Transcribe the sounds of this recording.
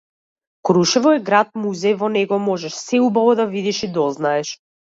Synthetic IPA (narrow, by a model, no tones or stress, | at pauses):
kɾuʃɛvɔɛɡɾat̪̚muzɛjvɔnɛɡɔmɔʒɛʃsɛubavɔd̪avid̪iʃid̪ɔznaɛʃ